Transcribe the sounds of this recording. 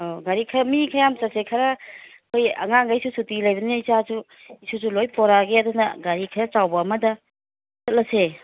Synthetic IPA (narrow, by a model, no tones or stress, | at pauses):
oɡaɾikʰɐɾɐmikʰɐjamt͡ʃasekʰaɾɐ | kʰojɐ̰ŋaŋɡajsusutilajbɐneizazu | isuzulojpɔɾaɡeadunɐɡaɾikʰɐɾat͡ʃawbɐːmɐdɐ | sɐt̚lɐse